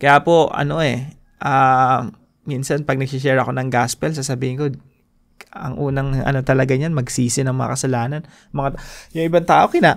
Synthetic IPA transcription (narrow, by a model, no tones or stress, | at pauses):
kɐjaːpo̞ɐ̰no̞ʔɛ | ʔa | minsɐnpɐɡ̚nɐɡ̚sɪs̬ɛːɾɐko̞nɐŋɡaspɛls̬asɐbiːhɪnko | ɐ̰ŋʔuːnɐŋɐ̰no̞t̪ɐlɐɡaɲanmɐɡsiːsɪnɐŋmɐŋa̰kɐsɐlaːnɐn | mɐŋajʊŋʔɪbant̪aːʔo̞kɪnaʔ